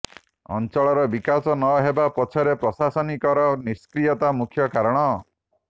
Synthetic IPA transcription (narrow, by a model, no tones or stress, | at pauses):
ɔ̰nt͡ʃɔɭɔɾɔbikasɔnɔɦebapɔt͡ʃʰɔɾepɾɔsasɔnikɔɾɔniskɾijɔt̪amukʰjɔkaɾɔɽ̃ɔ